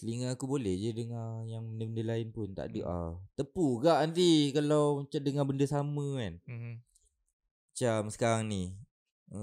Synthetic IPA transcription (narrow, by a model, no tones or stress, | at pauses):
səliŋaakubolɛhd͡ʒədəŋãjaŋbəndəbəndəlaɪnpʊnt̪a̰ʔdəʔa̰t̪əpuɡaʔant̪̬ikalawmat͡ʃamdəŋãbəndəsamə̃kan | mat͡ʃamsə̥kaɾaŋni